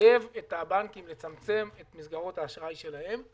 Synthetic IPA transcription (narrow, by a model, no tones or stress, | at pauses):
e̞vetabankimle̞t͡samt͡se̞metmisɡaʁo̞thaːʃʁaiʃe̞lahem